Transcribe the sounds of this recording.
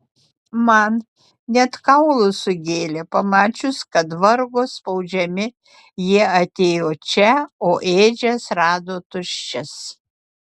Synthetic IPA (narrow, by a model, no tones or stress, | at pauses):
mɐn | nʲɛt̪kɐʊlˠʊsʊɡʲeːlʲɛpɐmɑːt͡ʃʲʊskɐt̪ʋɐɾɡoːspɐʊd͡ʒʲɛmʲɪ | jiɛɐt̪ʲeːjoːt͡ʃʲɛoːʔeːd͡ʒʲɛsɾɑːd̪oːt̪ʊʃʲt͡ʃʲɛs